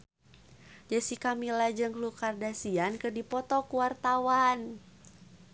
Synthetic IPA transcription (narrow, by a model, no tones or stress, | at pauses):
d͡ʒasikamilad͡ʒəŋlukardasiankərdipɔt̪ɔkuwart̪awan